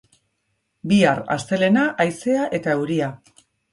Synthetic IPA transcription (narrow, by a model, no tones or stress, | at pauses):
biara̰st̪e̞le̞naʔajse̞aʔe̞t̪aewɾia